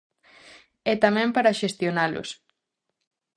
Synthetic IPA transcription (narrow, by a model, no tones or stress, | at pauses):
ɛt̪amɛ̃mpaɾaʃest̪jonalʊ̰s